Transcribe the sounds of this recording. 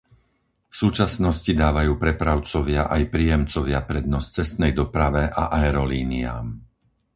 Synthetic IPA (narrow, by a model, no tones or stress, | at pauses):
fsuːt͡ʃasnɔscid̪aːʋajuːpɾɛpɾaʊt͡sɔʋɪaʔajpɾiːjɛmt͡sɔʋɪapɾɛd̪̚nɔst͡sɛst̪nɛjd̪ɔpɾaʋɛʔa̰ʔaɛɾɔliːnia̰ːm